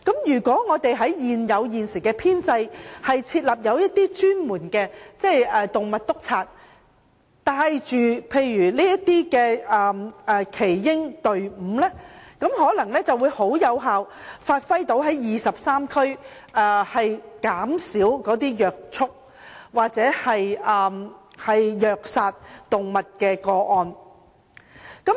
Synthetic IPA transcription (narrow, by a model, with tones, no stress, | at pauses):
kɐ˨˥mjyː˨˩kʷɔː˨˥ŋɔː˨˧t̪e˨jɦɐ˨˥jjiː˨njɐ˨˧wjiː˨nsi˨˩kɛː˧pʰiː˥nt͡sɐ˧jhɐ˨jt͡sʰiː˧t̚lɐ˨˩p̚jɐ˨˧wjɐ˥t̚t̪ːiː˥t͡ʃyː˥nmuː˨˩nkɛː˧t͡sɛ˥˩jɛː˨t̪ʊ˨ŋmɐ˨t̚t̪ʊ˥k̚t͡sʰaː˧t̚ | t̪aː˧˨˧jt͡ʃyː˨˩pʰe˧jjyː˨˩liː˥jɐ˥t̚t̪ːiː˥kɛː˧ɛː˨ʔɛː˨kʰe˨˩jːɪ˥ŋt̪ɵ˨ɥm̩ː˨˧lɛː˥kɐ˨˥mɦɔː˨˥lɐ˨˩ŋlɛː˥t͡sɐ˨wuː˨˧jho˨˥wjɐ˨˧wɦaː˨wfaː˧t̚fɐ˥jt̪o˨˥wɦɐ˨˥jjiː˨sɐ˨p̚saː˥mkʰɵ˥ɥ | ʔɛː˧hɐ˨jkaː˨˥msiː˨˥wkɔː˨˥t̪iː˥jœː˨k̚t͡sʰʊ˥k̚ | waː˨k̚t͡sɛː˨˥hɐ˨jʔɛː˨ | hɐ˨jjœː˨k̚saː˧t̚t̪ʊ˨ŋmɐ˨t̚kɛː˧kɔː˧ʔɔː˧n | kɐ˨˥